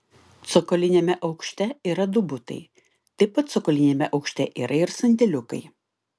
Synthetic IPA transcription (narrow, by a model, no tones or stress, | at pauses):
t̪sɔkɔːlʲɪnʲeːmʲɛʔɐʊkʃʲt̪ʲɛiːɾɐd̪ʊbʊt̪ɐ̰ɪ | t̪ɐɪpɐt̪t̪sɔkɔːlʲɪnʲeːmʲɛʔɐʊkʃʲt̪ʲɛʔiːɾʔɐɪɾsɐnʲd̪ʲɛlʲʊkɐɪ